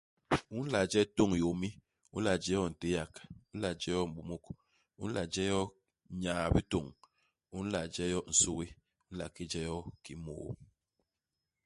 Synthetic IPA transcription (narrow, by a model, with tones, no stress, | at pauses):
u˦n̩˦la˨d͡ʒɛ˦to˦˨ŋ˨jo˨mi˦ | ṵ˦n̩˦la˨d͡ʒɛ˦jɔ˦n̩˨te˦ja˨ku˦n̩˦la˨d͡ʒɛ˦jɔ˦m̩˨bu˨mo˦k | ṵ˦n̩˦la˨d͡ʒɛ˦jɔ˦ | ɲaː˨bi˦to˨ŋ | u˦n̩˦la˨d͡ʒɛ˦jɔ˦n̩˨so˦ɣi˦ | u˦n̩˦la̰˨ki˦d͡ʒɛ˦jɔ˦ki˨mo̰ː˨˦